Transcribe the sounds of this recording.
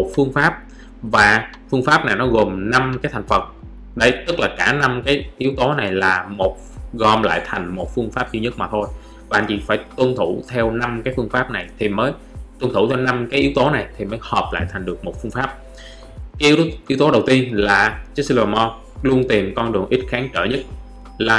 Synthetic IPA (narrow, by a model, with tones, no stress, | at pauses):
mo˨˩t̚fɨ˧əŋfaː˦˥p̚ | vaː˨˩ | fɨ˧əŋfaː˦˥p̚na˨˩jnɔ˨˦ɣo˨˩mna˧mkaː˨˦jt̪ʰŋ̟fə˨˩t̚ | ɗə˧jt̪ɨ˦˥k̚laː˨˩kaː˧˩na˧mkaː˨˦jʔi˨˦wt̪o˨˦na˨˩jlaː˨˩mo˨˩t̚ɣɔ˨˩mla̰ː˧˨jt̪ʰa˨˩jŋ̟mo˨˩t̚fɨ˧əŋfaː˦˥p̚zi˧ɲə˦˥t̚maː˨˩t̪ʰo˧j | ɓaː˨˩nt͡ɕḭ˧˩faː˧˩jt̪wə˧nt̪ʰu˧˩t̪ʰɛ˧wna˧mkaː˨˦jfɨ˧əŋfaː˦˥p̚na˨˩jt̪ʰi˨˩məː˨˦j | t̪wə˧nt̪ʰu˧˩t̪ʰɛ˧wna˧mkaː˨˦ʔi˨˦wt̪o˨˦na˨˩jt̪ʰi˨˩məː˨˦jhəː˨˩p̚la̰ː˧˨jt̪ʰa˨˩ŋ̟ɗɨ˨˩ək̚mo˨˩t̚fɨ˧əŋfaː˦˥p̚ | kaː˦ʔi˨˦wt̪o˨˦ɗə˨˩wt̪i˧ənlaː˨˩t͡ɕi˦˥si˧lːmɔ˧ | lu˧ənt̪i˨˩mkɔ˧nɗɨ˨˩əŋʔi˦˥t̚xaː˨˦ŋt͡ɕəː˧˩ɲə˦˥t̚ | laː˨˩